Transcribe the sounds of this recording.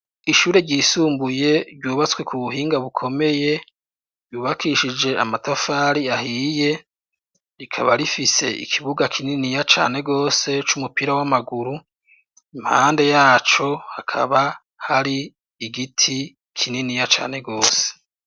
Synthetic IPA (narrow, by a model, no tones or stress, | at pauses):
iʃuːɾe̞ɾɟiːsuːmbuje̞ɾɟuːβat͡swe̞kʰuβuɦiːŋɡaβukʰo̞me̞je̞ | ɾjuːβakʰiʃid͡ʒe̞amatafaːɾiaɦije̞ | ɾikʰa̰βaɾifise̞̰ʔḭkʰiβuɡakʰininijat͡ʃa̰ːne̞ɡo̞ːse̞t͡ʃumupiɾawamaɡuɾu | im̥ha̰ːnde̞jaːt͡ʃo̞hakʰa̰βa | haɾiː | ɡitʰi | kʰininijat͡ʃa̰ːne̞ɡo̞ːse̥